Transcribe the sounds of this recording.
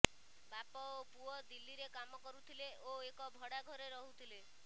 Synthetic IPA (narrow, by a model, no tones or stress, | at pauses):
bapɔopuɔd̪ilːiɾekamɔkɔɾut̪ʰileoekɔbʱɔɽaɡʱɔɾeɾɔɦut̪ʰile